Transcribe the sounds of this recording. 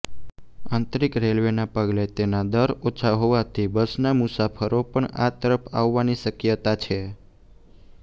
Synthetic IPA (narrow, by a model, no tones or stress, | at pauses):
ãnt̪ɾikɾelʋenapəɡlet̪enad̪əɾot͡ʃʰaɦoʋat̪ʰibəsnamʊsafʰəɾopəɳa̰t̪əɾəpʰa̰ʋːaniʃəkjət̪at͡ʃʰe